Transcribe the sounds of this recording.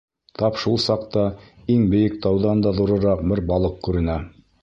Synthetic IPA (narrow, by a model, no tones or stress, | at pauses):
t̪ʰɑpʃulˠsɑq̚t̪ɑiŋbɘ̆jɘk̚t̪ɑwðɑnd̪ɑðuɾɤ̆ɾɑqbɘɾbɑlˠɤqkʉɾɘ̆næ